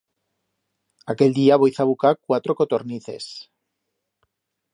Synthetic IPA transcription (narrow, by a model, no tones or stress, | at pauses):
ake̞ld̪iaβojθaβukakwat̪ɾokot̪oɾniθe̞̰s